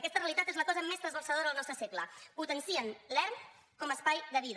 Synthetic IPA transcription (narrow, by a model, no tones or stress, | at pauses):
kɛst̪əreəlit̪at̪ezləkɔzəmest̪ɾəzβəlˠsəðoɾəəlˠnɔst̪ɾəsekləput̪ənsiənlɛɾm | kɔməspajðəβið